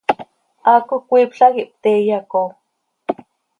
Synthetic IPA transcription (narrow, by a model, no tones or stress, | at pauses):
ʔaːkokʷiːpɬakiʔp̚t̪ejako